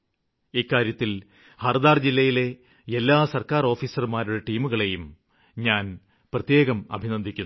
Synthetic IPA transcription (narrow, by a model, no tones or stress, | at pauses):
iːkːaːɾjɐt̪ːil | hɐrd̪aːrd͡ʑilːɐjile̞ | elːaːsɐrkaːro̞ːfiːsɐrmaːɾuɽeʈiːmuɣɐɭe̞jum | ɲaːn | prɐt̪je̞ːɣɐmɐ̰bʱinɐnd̪ʱikʲːunː